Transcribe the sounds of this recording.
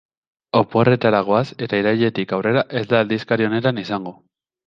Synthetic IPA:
o̞po̞ret̪aɾaɣoase̞t̪aiɾajʎe̞t̪ikawre̞ɾaʔe̞zd̪aːld̪iskaɾio̞ne̞t̪anisaŋɡo

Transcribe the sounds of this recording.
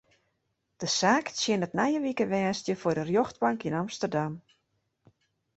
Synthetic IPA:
d̥əsaːksjɪnətnajəʋikəʋɛːstjəfodərjoxt̚baŋkinamstərdam

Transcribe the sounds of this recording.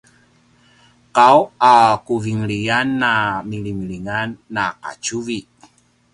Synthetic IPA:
kawakuviŋlianːamilimiliŋanːaka̰t͡ʃuvi

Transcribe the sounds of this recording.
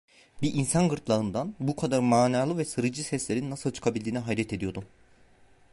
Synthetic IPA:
biʔinsanɡɯɾt̪lˠaɯnd̪anbukʰad̪aɾmaːnaːlˠɯvɛsɯɾɯd͡ʒɯsɛslʲe̞ɾinːasɯlˠt͡ʃʰɯ̥kʰabilʲd̪iːnɛɦaːlʲɛt̪ʰe̞d̪ijo̞d̪u

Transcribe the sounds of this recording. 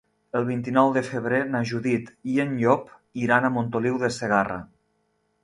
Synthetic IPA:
əlˠβ̞int̪inɔwðəfəβ̞ɾenaʒuðit̪ienʎɔpiɾanamont̪oliwðəseɣ̞ara̰

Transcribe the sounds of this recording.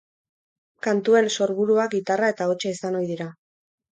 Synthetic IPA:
kant̪ue̞nso̞ɾβuɾuak̚ɡit̪arae̞t̪ao̞t͡ʃeisano̞jðiɾa

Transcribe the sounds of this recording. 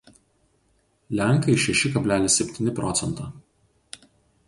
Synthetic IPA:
lʲæˑŋˑkɐɪʃʲɛʃʲɪkɐbʲlʲæːlʲɪsʲɛpʲt̪ʲiːnʲɪpɾɔt̪sʲɛnt̪ɑː

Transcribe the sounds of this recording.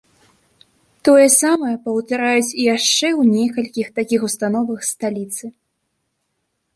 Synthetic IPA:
t̪ɔjɐsamɐjɐpɐwt̪aɾajut͡sʲijaʂt͡ʂɛwnʲɛkɐlʲkʲixt̪akʲixust̪anɔvɐxst̪alʲit̪sɨ

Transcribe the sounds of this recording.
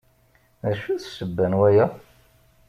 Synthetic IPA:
æʃːuθsəbːænwæjæ

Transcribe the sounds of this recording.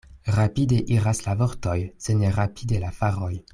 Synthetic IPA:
ʁapideʔiɾaslavoɾtojseneʁapʰidelafaʁoj

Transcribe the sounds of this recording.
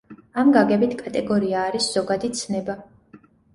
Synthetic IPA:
amɡaɡɛbit̪ʰkʼat̪ʼɛɡɔɾiaːɾisz̥ɔɡad̪it̪sʰnɛba

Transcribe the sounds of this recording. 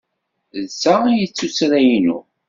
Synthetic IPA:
ðsːajət͡sːusɾæjinṵ

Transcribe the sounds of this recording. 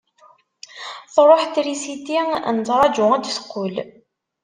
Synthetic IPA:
θrˤoħt̪ɾisit̪inət͡s̪ɾˤɑd͡ʒʊæd̪əsqːʊl

